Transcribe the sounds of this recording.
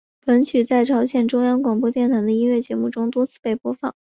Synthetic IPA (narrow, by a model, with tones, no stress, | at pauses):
pə˧˥nt͡ɕʰy˨˩t͡sa˥˩ɪʈ͡ʂʰɑ˧˥ʊɕjɛ˨˩nʈ͡ʂʊ˥ŋjɑ˥ŋkwɑ˨˩ŋp̬wɔ˥t̪jɛ˥˩nt̪ʰa˧˥ɪd̪ə˧i˥nɥɛ˥˩t͡ɕjɛ˧˥mu˥˩ʈ͡ʂʊ˥ŋt̪wɔ˥t͡sʰɹ̩˥˩pe˥˩ɪpwɔ˥fɑ˥˩ŋ